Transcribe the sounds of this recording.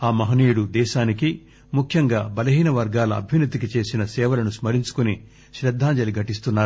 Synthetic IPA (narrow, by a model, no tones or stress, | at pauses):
aːmɐɦɐniːjɽud̪ɛːʃaːniki | mukʰjɐŋɡaːbɐlɐɦiːnɐʋɐɾɡaːlɐɐ̰bʱjɐnɐt̪ikit͡ʃe̞ːsinɐsɛːʋɐlɐnusmɐɾiɲt͡ʃu̥kuni | ʃɾɐd̪ʱːaːɲd͡ʒɐliɡʱɐʈist̪unːaːɾu